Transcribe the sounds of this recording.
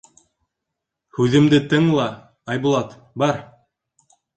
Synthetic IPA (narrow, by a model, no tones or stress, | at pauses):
hʉðɘ̆md̪ɘt̪ɤŋlˠɑ | ɑjbulˠɑt̪ | bɑɾ